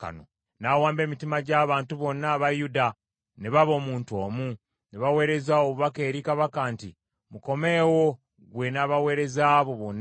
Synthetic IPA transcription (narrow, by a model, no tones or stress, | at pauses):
ka̰no̰ | nawaːmbe̞ːmitimaɟaːβaːntuβo̞nːaβajuda | neβaβo̞ːmuːntuo̞ːmu | neβawe̞ːɾe̞zaoβuβakeːɾikaβakaːnti | muko̞me̞ːwo̞ | ɡwe̞naβawe̞ːɾe̞zaːβo̞βonː